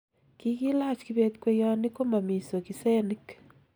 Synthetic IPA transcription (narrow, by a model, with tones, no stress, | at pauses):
kiɣi˦la˦t͡ʃkiβetkwe˦jani˦ko˦ma˨mi˨so˨ki˨se˦ni˦k